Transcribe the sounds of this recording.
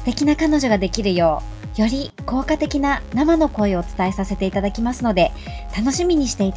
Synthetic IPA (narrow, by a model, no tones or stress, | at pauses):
sɨ̥t̪e̞kʲinakano̞ʑo̞ɡad̪e̞kʲiɾɯ̟jo̞ː | jo̞ɾʲiko̞ːkat̪e̞kʲinanamano̞ko̞io̞t͡sɨ̥t̪ae̞sase̞t̪e̞it̪ad̪akʲimasɨno̞d̪e̞t̪ano̞ɕimʲiɲ̟iɕi̥t̪e̞it̪